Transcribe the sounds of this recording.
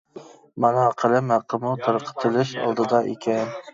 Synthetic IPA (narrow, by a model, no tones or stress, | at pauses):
mɑnɑqʰəlˠɪmhæqʰːəmut̪ʰɨɾqʰə̥t̪ʰɨlɪʃɑ̰lˠd̪ɨd̪ɑʔḛkʲʰɛn